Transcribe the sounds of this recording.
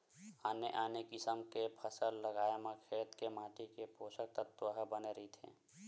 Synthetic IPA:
aːneʔaːnekɪsəmkepʰəsəlːəɡaːemãkʰeːt̪kemaːʈikepoːsək̚t̪ət̪ːwəɦbəneɾit̪ʰḛ̃

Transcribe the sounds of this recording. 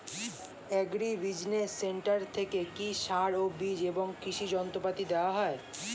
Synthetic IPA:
ɛɡɾibid͡ʑnesːeɳʈaɾt̪ʰekekiʃaɾobid͡ʑeboŋkɾiʃid͡ʑɔnt̪opat̪id̪eoaɦɔe

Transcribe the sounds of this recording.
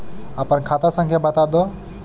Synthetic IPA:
apənkʰat̪asə̃ŋkʰjabət̪ad̪ɔ

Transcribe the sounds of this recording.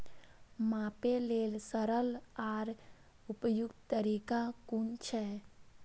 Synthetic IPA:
mãːpeleːlsəɾəlaːɾ | ʊpəjʊɡt̪t̪əɾiːkakunt͡ʃʰɛ

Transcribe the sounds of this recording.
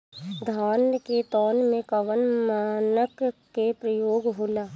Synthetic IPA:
d̪ʱaːnket̪ɔːnmẽkɐʋənmaːnəkː | epɾəjoːɡɦoːlaː

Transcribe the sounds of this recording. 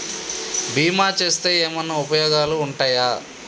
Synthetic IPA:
bʱiːmaːt͡ʃe̞ːst̪e̞ːɛːmɐnːɐupɐjɔːɡaːluːɳʈaːjaː

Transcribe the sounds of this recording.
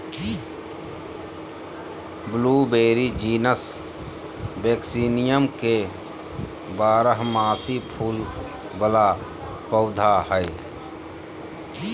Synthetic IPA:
bluːbeːɾid͡ʒiːnəs | beːksiːnɪjəmke | baːɾəɦmaːsipʰuːl | bəla | pəʊd̪ʱahəɪ

